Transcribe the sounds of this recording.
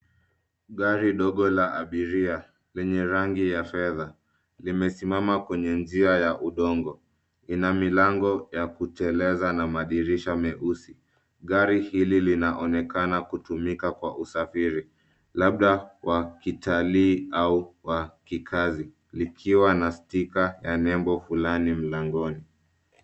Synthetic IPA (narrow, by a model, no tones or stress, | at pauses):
ɠaɾiɗɔɠɔlaʔaɓiɾia | lɛɲɛɾaŋɡijafɛða | limɛsimamakwɛɲɛnd͡ʒiajaʔuɗɔŋɡɔ | inamilaŋɡɔjakutɛlɛzanamaɗiɾiʃamɛʔusi | ɠaɾihililinaʔɔnɛkanakutumikakwaʔusafiɾi | laɓ̚ɗawʔakitʰaliːauwakikʰazi | likʰiwanastikajanɛmbɔfulanim̩laŋɡɔni